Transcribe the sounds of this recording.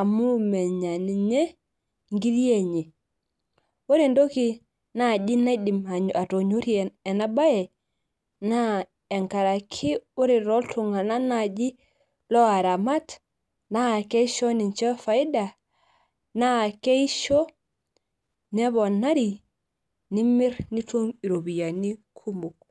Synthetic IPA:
a˨mu˦me˨ɲa˨ni˨ɲe˦ | ŋɡi˦ɾi˦e˨ɲe˨ | o˦ɾe˨ndo˦ki˦ | na˦˨d͡ʒi˦na˦di˨ma˨ɲa˨to˨ɲo˦ɾi˦e˨ɛ˨na˦ba˦jɛ˨ | na˦ | e˨ŋka˨ɾa˨kʰi˦o˦ɾi˨ɾo˦ltʰu˨ŋa˨na˦na˨d͡ʒi˦ | lo˦a˨ɾa˨ma˦t | na˦˨ke˦iʃo˦ni˨nt͡ʃe˦fa˨i˦da˨ | na˦˨ke˦i˦ʃo˦ | ne˦bo˨na˦ɾi | ni˦mi˦ɾni˦tu˦mi˨ɾo˨bi˨ja˨ni˦kʰu˦mu˨k̚

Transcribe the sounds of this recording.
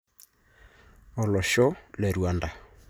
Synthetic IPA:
ɔ˨lɔ˨ʃɔ˦le˨ɾwa˨nda˨

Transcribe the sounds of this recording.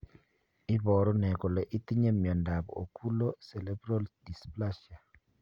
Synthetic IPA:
ɪ˦bɔ˨ɾɔ˦nɛ˨kɔ˨lɛ˨ʔi˦t̪i˦ɲe˦mjɔ˨nda˨bɔ̰˨o˨kʰu˦lo˦sɛ˨lɛ˦bɾɔ˦ldi˨spla˦ʃa˨

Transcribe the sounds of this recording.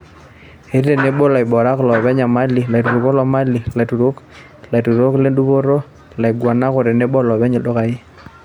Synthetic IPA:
e˨˦ɾi˦e˨ne˦bo˦la˨ɪ˨bɔ˨ɾa˦klɔ˨βɛ˦ɲa˨ma˦li˨la˨tu˨ɾu˨ko˦lɔ˨˦ma˦li˨la˨tu˨ɾo˦k | la˨tu˨ɾo˦kle˦ndu˦βo˦ɾo˦ | la˨i˨ɡwa˨na˦ko˨ɾe˨ne˦bɔ˦lɔ˨βɛ˦ɲe˨ɗo˦ka˨ɪ˦

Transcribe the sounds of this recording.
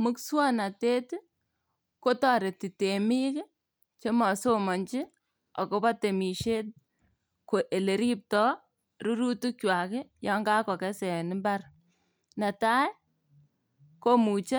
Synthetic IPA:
mu˦kswɔ˦na˨te˦t | ko˦tɔ˨ɾe˨ti˨te˨mi˦k | t͡ʃe˦mɔ˨so˦mɔ˨ɲt͡ʃi˦ | ɔ̰˨ko˦pa˦te˨mi˨ʃe˦t̚ | ko˨ʔe˨le˨ɾi˦p̚tɔ˦ | ɾu˦ɾu˦tu˦kwa˨kɪ˦jɔ˦ŋɡa˦kɔ˨kɛ˦sɛ˨nɪ˦mba˦r | na˨ta˦j | ko˦mu˨t͡ʃe˦

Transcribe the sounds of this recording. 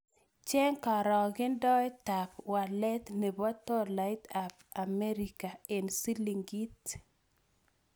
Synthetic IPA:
t͡ʃɛ˦ŋka˨ɾɔ˨ɡɪ˦ndɔ˦jta˨pwa˨lɛ˦t̪ne˨bɔ˦t̪ɔ˦la˦jta˨pa˨me˦ɾika˨e˨nsi˦li˨ŋɡi˦t

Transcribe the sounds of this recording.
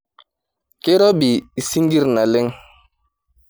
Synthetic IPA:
ke˦ɾɔ˦bi˨i˨si˦ŋɡi˦ɾna˨le˦ŋ

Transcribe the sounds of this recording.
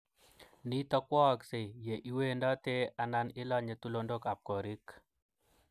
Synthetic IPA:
ni˦t̪ɔ˦kwɔ˦˨kse˨je˨ʔi˦we˦ndɔ˦t̪e˦a˨na˦nɪ˦lɔ˦ɲe˨t̪u˦lo˦ndo˦ka˨p̚kɔ˨ɾi˦k

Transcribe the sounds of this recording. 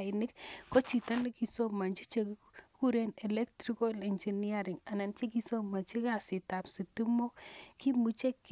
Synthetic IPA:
nɪ˦kko˦t͡ʃi˨ta˦ni˦ki˨so˦ma˨nt͡ʃi˦t͡ʃe˨k | ku˦ɾe˦nɛ˨lɛ˦ktɾi˦ko˦lɛ˨nd͡ʒi˨ni˦a˦ɾɪ˨ŋa˨na˨nt͡ʃi˦k̬i˦so˦ma˨t͡ʃi˦ka˨sɪ˨ta˨psi˨tu˦mo˦ki˦mu˦t͡ʃe˦kː

